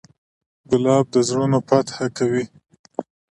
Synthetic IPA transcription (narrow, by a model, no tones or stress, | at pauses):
ɡʊlɑb̚d̪əzɾunopat̪hakawi